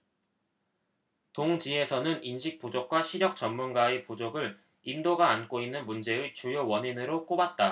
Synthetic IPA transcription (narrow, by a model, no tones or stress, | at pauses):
toŋd͡ʑie̞sʰʌnɯninɕʰik̚p͈ud͡ʑok̚k͈waɕʰiɾjʌk̚t͡ɕʌnmunɡaepud͡ʑoɡɯɭ | indoɡaːnk͈oinːɯnmund͡ʑe̞ɯt͡ɕujowʌɲinɯɾok͈obat̚t͈a